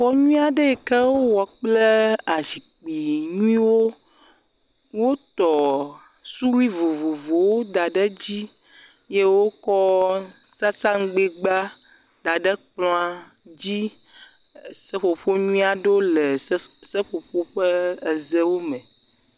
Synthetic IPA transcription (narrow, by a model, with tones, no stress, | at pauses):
xɔ˦ɲũ˦a˨ɖe˦ɛ˨kɛ˦wo˦wɔ˨k͡ple˦a˨zi˨k͡pi˨ɲũ˦ĩ˦wo˦ | wo˦t̪ɔ˨ | su˦lu˦i˦vo˨vo˨vo˨wo˦d̪a˨ɖə˦d͡ʑi˦ | je˦wo˦kɔ˦sa˦sã˦ŋ˦ɡ͡be˦ɡ͡ba˦ | d̪̥a˨ɖə˦k͡pl̃a˦ | d͡ʑi˦ | sə˦ɸo˨ɸo˦ɲũ˦ĩ˦a˨ɖo˦le˨˦sə˦ɸo˨ɸo˦ɸə˦e˨zɛ˦wo˦mɛ̃˨